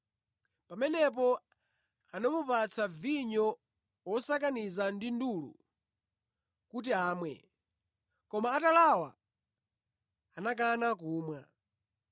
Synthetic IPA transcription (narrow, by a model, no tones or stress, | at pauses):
pamɛnɛp̬ɔ | anamupat͡sʰaviɲɔ | wɔsak̬anizandindulṵ | kut̬iaːmwɛ̰ | kɔmaːtalawa̰ | anak̬anakuːmwa